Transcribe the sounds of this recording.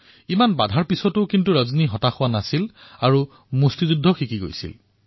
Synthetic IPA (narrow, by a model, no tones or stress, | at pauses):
imanba̰dʱaɹpisɔtʊkintuɹazniɦɔtaxʊwanasilaɹu | mustizudʱːɔxikiɡo̰jsḭl